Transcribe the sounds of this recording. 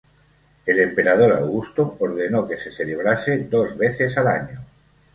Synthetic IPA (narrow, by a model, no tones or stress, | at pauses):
elempeɾað̞oɾa̰wɣust̪ooɾð̞enokeseθeleβ̞ɾased̪ozβeθesalaɲo